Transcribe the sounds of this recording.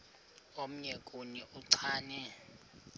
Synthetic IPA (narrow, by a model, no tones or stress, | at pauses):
om̩ɲɛkʼuniʔuǀʰaːnɛ